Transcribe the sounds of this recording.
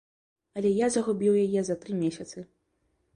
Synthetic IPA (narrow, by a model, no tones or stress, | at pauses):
ɐlʲɛjazɐɣubʲiwjajɛzɐt̪ɾɨmʲɛsʲɐt̪sɨ